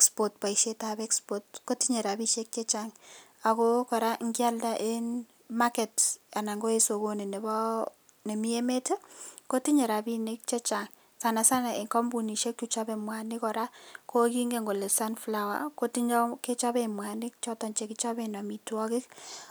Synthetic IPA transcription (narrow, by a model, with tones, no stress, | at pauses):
kspot̚pa˨iʃe˦tabɛ˦kspɔt̚ko˦ti˦ɲe˨ɾa˨bi˦ʃe˦k̚t͡ʃe˦t͡ʃaŋ | a˨ko˦kɔ˨ɾa˦ŋɡja˦lda˦ʔe˦n | makɛ˨ta˨na˨ŋɡo˦e˦so˨ko˨ne˨ne˨bɔ˦ | ne˨mi˦e˦me˦te˦ko˦ti˦ɲe˨ɾa˨bi˦ne˦k̚t͡ʃe˦t͡ʃaŋ | sa˨na˨sa˦na˨e˨ŋkɔ˦mbu˨ni˨ʃe˦kku˦t͡ʃa˦be˨mwa˨nɪ˦kɔ˨ɾa˦kʰo˦ki˦ŋɡe˦ŋɡo˨le˨sa˦nflawa̰˨ko˦ti˦ɲ˦ke˦t͡ʃɔ˦be˦mwa˨nɪ˦k̚t͡ʃɔ˦tɔ˨ɲt͡ʃe˨kit͡ʃɔ˦be˦nɔ˨mi˨twɔ˦kɪ˦k